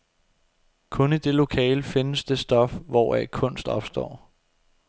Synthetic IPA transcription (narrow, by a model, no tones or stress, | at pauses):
kʰɔ̽nid̥e̝lo̝kʰɛ̰ːləfe̝nəsd̥e̝sd̥ɒ̽fʋɒækʰɔ̽n̰sd̥ɒ̽b̥sd̥ɒ̰ː